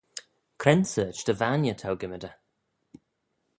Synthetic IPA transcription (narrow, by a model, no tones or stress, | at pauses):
kʰɾɛnsəːt͡ʃd̪əvanjət̪ʰawɡɪmədə